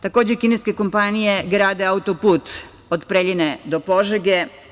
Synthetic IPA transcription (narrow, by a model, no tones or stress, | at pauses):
t̪ako̞ːd͡ʑekineske̞ko̞mpanije̞ɡɾaːd̪eaut̪opuːt̪ | od̪pɾeʎined̪o̞po̞ʒeɡe